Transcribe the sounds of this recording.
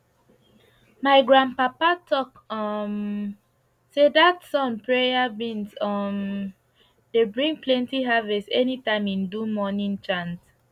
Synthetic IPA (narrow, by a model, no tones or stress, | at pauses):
maɪɡɹãn̚papatʰɔk | ɔm | sedatsɔ̃npɹejabĩnsɔm | debɹĩŋplɛ̃ntiɦavɛstɛnitãɪ̃mĩndumɔnĩnt͡ʃãns